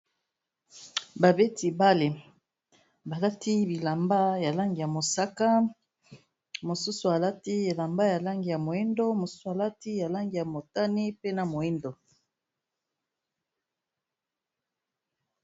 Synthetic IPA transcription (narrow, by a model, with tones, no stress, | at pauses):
ba˨be˦ti˨ba˦le˨ | ba˨la˦ti˦bi˨la˨mba˦ja˨la˦ŋɡi˨ja˨mo˨sa˦ka˦ | mo˨su˦su˨a˨la˦ti˦e˨la˨mba˦ja˨la˦ŋɡi˨ja˨mo˨e˦ndo˦mo˨su̥˦su˨a˨la˦ti˦ja˨la˦ŋɡi˨ja˨mo˨ta˦ni˦pe˦na˨mo˨e˦ndo˨